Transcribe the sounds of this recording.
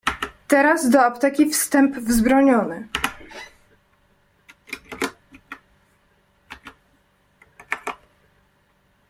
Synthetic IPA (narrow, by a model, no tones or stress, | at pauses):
t̪ɛɾazd̪ɔɔpt̪ɛkʲifst̪ɛmpvzbɾɔɲɔnɘ